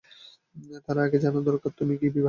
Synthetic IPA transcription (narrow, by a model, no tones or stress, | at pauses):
t̪aɾaaɡed͡ʑanod̪ɔɾkaɾt̪umikibibʱ